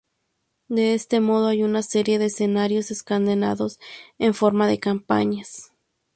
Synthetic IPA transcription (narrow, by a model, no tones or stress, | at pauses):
d̪e̞est̪e̞mo̞ð̞oajunaseɾje̞ðeːsenaɾjo̞seskand̪ena̰ðo̞seɱfo̞ɾmaðe̞kampa̰ɲas